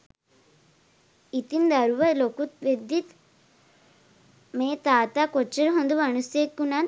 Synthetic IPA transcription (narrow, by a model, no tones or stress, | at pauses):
it̪ind̪ɐɾuʋɐlokut̪ʋed̪ːit̪ | meːt̪aːt̪akot͡ʃːɐɾɦond̪uʋɐnusjekːunaː